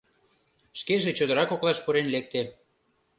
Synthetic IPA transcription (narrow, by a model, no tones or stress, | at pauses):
ʃkeʒet͡ɕod̪əɾɑkoklɑʃpuɾenlek̚t̪e